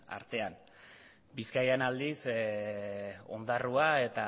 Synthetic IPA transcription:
a̰ɾt̪e̞an | biskajenald̪is | o̞̰nd̪aruae̞t̪a

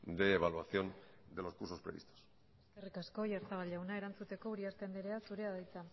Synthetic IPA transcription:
d̪e̞ːβalwaθjo̞n | d̪e̞lo̞skuɾso̞spɾe̞βḭst̪o̥s | eskerikasko̞jaɾt̪aβ̞alawnae̞ɾant͡sut̪e̞ko̞uɾiaɾt̪e̞nd̪eɾeasuɾe̞aðajt͡sa

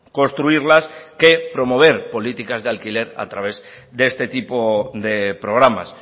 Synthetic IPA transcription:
ko̞nst̪ɾuiɾlaskepɾomoβ̞eɾpo̞lit̪ikazðealkileɾa̰t̪ɾaβ̞ez | d̪est̪et̪ipod̪epɾoɣ̞ɾama̰s

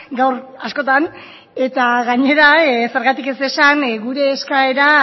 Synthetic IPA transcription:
ɡawɾasko̞t̪an | e̞t̪aɣaɲe̞ɾaese̞ɾɣat̪ike̞se̞sanɣuɾe̞ːskae̞ɾa

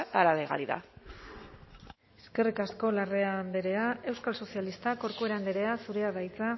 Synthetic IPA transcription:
aɾaleɣa̰ɾiða̰ | eske̞rikasko̞lare̞and̪eɾe̞ae̞wskalso̞sialist̪ako̞ɾkue̞ɾand̪eɾe̞asuɾe̞aðajt͡sa

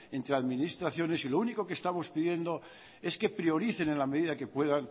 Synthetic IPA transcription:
e̞nt̪ɾeaðminist̪ɾaθjo̞ne̞silouniko̞kest̪amo̞spiðje̞nd̪o | e̞ske̞pɾio̞ɾiθe̞nenlame̞ðiðake̞pwe̞ðan

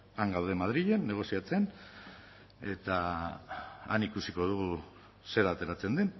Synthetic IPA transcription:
aŋɡawðe̞mað̞ɾiʎe̞nːe̞ɣ̞o̞siat͡se̞n | e̞t̪a | a̰nikusiko̞ð̞uɣ̞u | se̞ɾat̪e̞ɾat͡se̞nd̪en

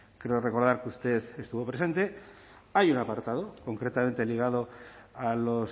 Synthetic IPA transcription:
kɾeore̞ko̞ɾð̞aɾkust̪e̞ðest̪uβopɾese̞nt̪e̞ | ajunapaɾt̪að̞oko̞ŋkɾe̞t̪ament̪e̞liɣ̞að̞o̞alo̞s

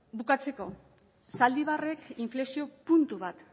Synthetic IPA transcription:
bukat͡se̞ko̞ | sald̪iβ̞are̞kiɱfle̞ksio̞punt̪uβ̞at̪

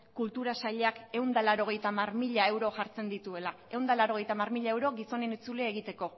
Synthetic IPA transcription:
kult̪uɾasaʎe̞ake̞wnd̪alaɾo̞ɣ̞e̞jt̪amarmiʎae̞wɾo̞ʝaɾt͡se̞nd̪it̪ue̞la | e̞wnd̪alaɾo̞ɣ̞e̞jt̪amarmiʎae̞wɾo̞ɣiso̞nenit͡suleeɣ̞it̪e̞ko̞

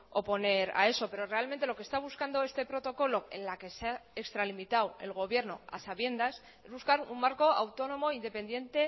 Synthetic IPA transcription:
o̞po̞ne̞ɾa̰e̞so̞pe̞ɾo̞re̞alment̪e̞lo̞kest̪aβ̞uskand̪oe̞st̪e̞pɾo̞t̪o̞ko̞lo̞ḛnlake̞seaekst̪ɾalimit̪awe̞lɣ̞o̞β̞je̞ɾno̞̰a̰saβje̞nd̪as | e̞zβuskaɾṵmːaɾko̞awt̪o̞no̞mo̞ind̪e̞pẽ̞nd̪jẽ̞nt̪e̞

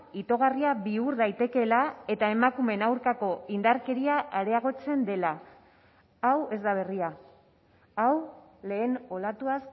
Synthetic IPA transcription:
it̪o̞ɣ̞ariaβiuɾðajt̪e̞ke̞lae̞t̪ae̞makume̞nawɾkako̞ind̪aɾke̞ɾiaʔaɾe̞aɣo̞t͡se̞nd̪e̞la | awe̞zd̪aβ̞e̞ria | awle̞ːno̞lat̪uas

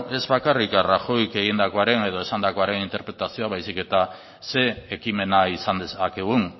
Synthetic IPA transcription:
e̞zβakarikaraʝo̞jke̞ɣind̪ako̞aɾe̞ne̞ð̞o̞e̞sand̪ako̞aɾe̞nint̪e̞ɾpɾe̞t̪asio̞aβajsike̞t̪a | se̞ːkime̞naisand̪esakeɣ̞un

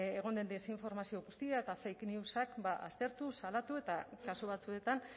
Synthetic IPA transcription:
eɣ̞o̞nd̪e̞nd̪eseiɱfo̞ɾmasio̞ɣust̪iaet̪afejkniusakbaʔa̰st̪e̞ɾt̪usalat̪ue̞t̪akasuβ̞at͡sue̞t̪an

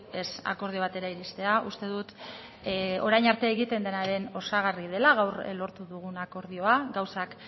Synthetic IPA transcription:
e̞sa̰ko̞ɾð̞io̞β̞at̪e̞ɾaiɾist̪e̞aʔust̪e̞ðut̪ | o̞ɾajɲaɾt̪eeɣit̪e̞nd̪e̞naɾe̞no̞saɣarið̞e̞laɣ̞awɾlo̞ɾt̪uðuɣ̞unako̞ɾðio̞aɡawsak

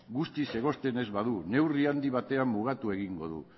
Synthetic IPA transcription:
ɡust̪ise̞ɣ̞o̞st̪e̞ne̞zβaðune̞wriand̪iβ̞at̪e̞amːuɣ̞at̪ue̞ɣiŋɡo̞̰ðṵ

